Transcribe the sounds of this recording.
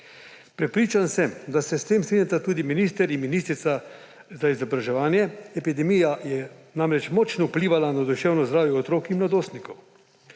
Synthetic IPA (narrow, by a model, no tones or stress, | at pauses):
pɾɛpɾiːt͡ʃansɛmd̪asɛst̪eːmsɾiːnʲjat̪at̪uːd̪iminiːst̪ɛɾinminiːst̪ɾit̪sa | zaizɔbɾaʒɛʋaːnjɛɛpid̪ɛmijajɛnaːmɾɛt͡ʃmɔːt͡ʃnɔupliːʋalanad̪uʃɛwnɔzd̪ɾaːwʋjɛɔt̪ɾoːkimlad̪oːst̪nikɔw